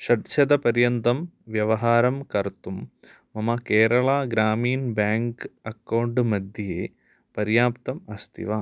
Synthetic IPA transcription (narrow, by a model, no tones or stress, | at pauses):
ʃɐʈt͡ʃɐd̪ɐpɐɾjɐnt̪ɐm | ʋjɐʋɐɦaːɾɐmkɐɾt̪umː | ɐmɐkeːɾɐɭaːɡɾaːmiːnbjaːŋkɐkːɐwɳɖmɐd̪ʱjɐjeː | pɐɾjaːpt̪ɐmɐst̪ʰḭʋaː